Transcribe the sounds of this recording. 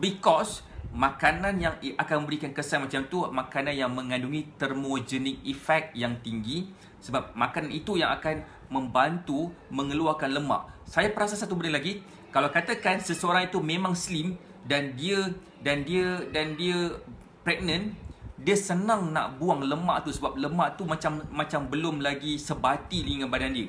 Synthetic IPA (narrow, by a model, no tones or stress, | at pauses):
bikɔs | mãkanãnjaŋʔakanmə̃bəɾikankəsamat͡ʃamt̪umakanãnjaŋmə̃ŋãnduŋit̪ərmod͡ʒənĩkifɛk̚t̪̚jaŋt̪iŋɡi | səbap̚makananit̪ujaŋakan | mə̃mbant̪u | mə̃ŋəluakanləma̰ʔsajapəɾasasat̪ubənəlaɡi | kalawkat̪akansəsəoɾaŋit̪umẽmãŋslim | dandiə | dandiədandiə | pɾɛk̚nə̃ndiəsənãŋna̰ʔbuaŋləmaʔt̪usəbap̚ləmaʔt̪umat͡ʃamːãt͡ʃambəlʊmlaɡisəbat̪iliŋanbadandiə